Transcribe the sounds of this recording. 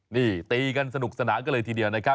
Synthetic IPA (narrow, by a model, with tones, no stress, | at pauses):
niː˧˩t̪iː˧ka˧nsa˧nu˨˩k̚sa˧naː˩˦ka˧nlɤː˧jt̪ʰiː˧di˧əwna˦˥kʰa˦˥